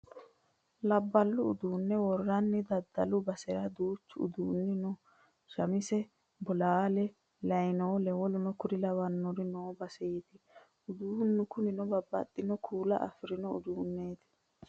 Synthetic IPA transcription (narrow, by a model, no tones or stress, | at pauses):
lɐbːɐlːʊːd̪uːnːɛwɔrːɐnːɪd̪ɐd̪ːɐlʊbɐsɛɾɐd̪uːt͡ʃːʊʊ̰d̪uːnːɪnɔ | ʃɐmɪsɛ | bɔlaːlɛ | lɐjnoːlɛwɔlʊnɔkʊɾɪlɐwɐnːɔɾɪnoːbɐseːt̪ɪ | ʊd̪uːnːʊkʊnɪnɔbɐbːɐ̰t̪ʼːɪnɔkʰuːlɐ̰ʔɐ̰fɪɾɪnɔʊ̰d̪uːnːeːt̪ɪ̥